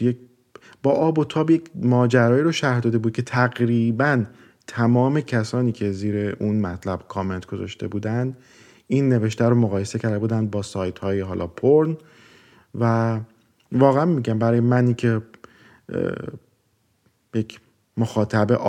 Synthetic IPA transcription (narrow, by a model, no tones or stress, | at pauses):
je | b̥ɒːʔɒːbo̞t̪ʰɒːbjecʰmɒːd͡ʒæɾɒːjiːɾoʃæɾhd̪ɒːd̪e̞buːd̪̚kʰe̞t̪ʰæɣɾiːbæn | t̪ʰæmɒːme̞cʰæsɒːniːcʰe̞ziːɾe̞ʔunmæt̪ʰlæb̥kʰɒːme̞nt̪ɡ̥o̞zɒ̰ʃt̪e̞̰buːd̪ænd̪ | iːnːe̞ve̞ʃt̪æɾomoɣɒːje̞se̞cʰæɾd̪e̞buːd̪ænd̪̚bɒːsɒːjt̪hɒːjeɦɒːlʔɒ̰ːpʰoɾn | væ | vɒːɣeænmiɟæmbæɾɒːjemæniːcʰe̞ | jecʰ | moxɒːt̪ʰæbḛʔ